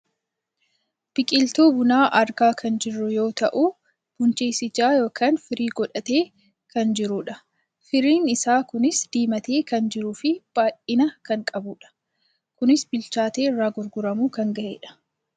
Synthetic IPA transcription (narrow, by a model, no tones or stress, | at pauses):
b̥ɪkʼɪlt̪oːbʊnaːʔɐɾɡaːkʰɐnd͡ʒɪrːʊjo̞ːt̪ɐʔuː | b̥ʊnt͡ʃe̞ːsɪd͡ʒaːjo̞ːkʰaːnfɪɾiːɡɔᶑɐt̪e̞ː | kɐnd͡ʒɪɾuːᶑɐ | fɪɾiːnɪsaːkʊnɪsd̪̥iːmɐt̪e̞ːkɐnd͡ʒɪɾuːfɪb̥aːʔɪnɐkɐŋkʼɐbuːᶑɐ̥ | kʊnɪsbɪlt͡ʃaːt̪eːɪrːaːɡʊɾɡʊɾɐmuːkɐŋɡɐʔḛːᶑɐ̥